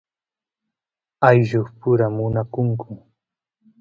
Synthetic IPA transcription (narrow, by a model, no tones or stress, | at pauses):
ajʒʊχpʊɾamʊnakʊŋkʊ